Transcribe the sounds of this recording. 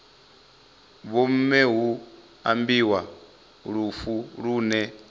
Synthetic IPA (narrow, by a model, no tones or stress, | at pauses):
βɔm̩mɛɦu | a̰mbiwa | ɺufuɺuːnɛ